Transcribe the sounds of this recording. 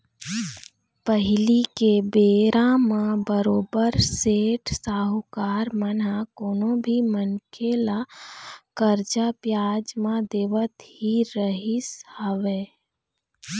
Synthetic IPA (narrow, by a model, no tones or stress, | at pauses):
pəɦɪlikebeːɾãmãbəɾoːbəɾseːʈʰsaːɦukaːɾmənakoːnõbʱimənkʰela | kəɾd͡ʒapjaːd͡ʒmãd̪eːʋət̪hiɾəɦishəʋe